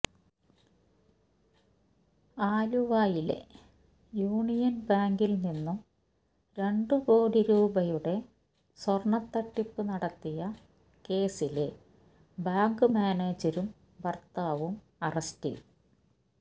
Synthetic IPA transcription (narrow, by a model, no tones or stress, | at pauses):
aːluʋaːjilḛ | juːɳijɐnbaːŋɡilninːu | ɾe̞ɳɖɨpo̞ːɽiɾuːbɐjuɽe̞ | sɐrɳɐt̪ːɐʈːipːɨnɐɽɐt̪ːijɐ | ke̞ːsile | baːŋɡɨmaːneːd͡ʑɐɾum | ʋɐrt̪aːʋum | ɐrɐstḭ